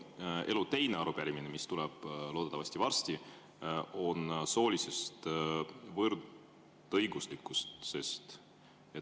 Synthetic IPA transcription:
e̞lut̪e̞jneɑɾupæɾʲiminemist̪ulɛb̥lo̞ːd̪et̪ːˑɑvɑsʲt̪ivɑrst̪i | o̞nso̞ːlise̞st̪ | vɤrd̪̥ | ɤjɡuslikːˑust̪se̞st̪ | e

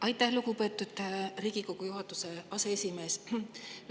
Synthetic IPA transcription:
ʔɑjt̪ːˑæhluɡupe̞ːt̪ːˑud̪̥riːɡ̥iko̞ɡ̥ujuɦɑt̪ːˑuse̞ɑseesʲime̞ːs

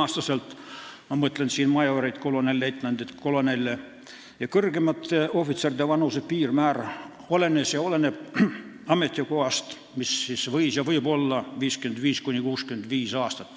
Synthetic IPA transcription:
ɑːst̪ɑselt̪mɑmɤt̪ˑlensiːnmɑjoɾejt̪ko̞lo̞nelʲːet̪ːnɑnd̪et̪ko̞lo̞nelʲːe | jɑkɤrɡemɑt̪ːeo̞fit̪serid̪evɑnusepiːrmæːr | olenesjɑolene | ɑme̞t̪ʲːˑikoɑst̪ | misːisvɤjsjɑvɤjbo̞lːɑviːskyend̪viːskunʲikuːskymend̪viːsɑːst̪ɑt̪ːˑ

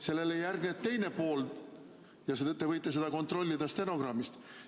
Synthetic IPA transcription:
se̞lːe̞lejːærɡnet̪ːe̞jne̞po̞ːl | jɑset̪ːevɤjt̪ːˑe̞s̬e̞d̪̥ɑko̞nt̪ro̞lʲːid̪̥ɑst̪e̞no̞ɡ̥rɑmːist̪

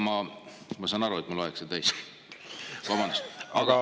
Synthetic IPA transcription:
mɑ | mɑsɑːnɑɾuet̪muloekset̪æjs | vɑbɑnd̪ust̪ɑ̥ɑ

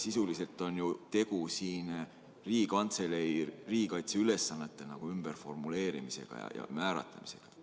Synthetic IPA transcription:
sisulise̞lt̪ːˑo̞njut̪e̞ɡ̥usiːn | riːɡikɑnt̪se̞leiriːikɑjt̪seyle̞sːɑnːe̞t̪ːˑe̞nɑɡ̥uymb̥e̞rfo̞rmule̞ːɾimise̞̰ɡ̥ɑ̰jɑ̰jɑ̰mæːɾɑ̰t̪lɑ̰mi̥se̞̥̰ɡ̥ɑ̥

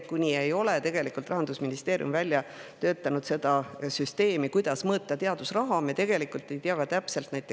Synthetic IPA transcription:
kunʲiejo̞let̪e̞ɡ̥e̞likˑult̪rɑɦɑnd̪usminist̪e̞ːɾj̰ṵmvælʲjɑt̪ø̞ːt̪ˑːɑnud̪̥se̞d̪̥ɑsyst̪e̞ːmikujd̪̥ɑsmɤːt̪ˑːɑt̪eɑd̪̥usrɑɦɑmet̪e̞ɡe̞likˑult̪ˑːe̞jt̪eɑɡ̥ɑt̪æpse̞lt̪næjt̪e

